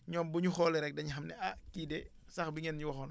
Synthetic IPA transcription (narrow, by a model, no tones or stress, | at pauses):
ɲɔːmbuɲuxɔːlɛɾɛk̚dɐɲixɐmnɛakiːdɛ | sɐxbiŋɛnɲuwɐxɔn